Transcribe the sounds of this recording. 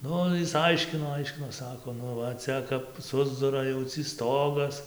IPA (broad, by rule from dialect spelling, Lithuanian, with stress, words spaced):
ˈnʊ jɪs ˈɐɪʃʲkʲɪnoː ˈɐɪʃʲkʲɪnoː ˈsɑːkoː ˈnʊ ʋɐ ˈt͡sʲɛ kɐp ˈsʊzdʊrɐ jɛʊ t͡sʲiː ˈstoːɡɐs